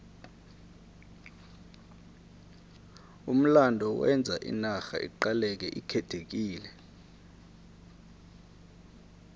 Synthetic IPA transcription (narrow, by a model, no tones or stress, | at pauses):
um̩landʱɔwɛnd͡zʱaʔḭnaxa̰ʔḭǃalɛk̬ɛ̰ʔikʰɛtʰek̬iːlɛ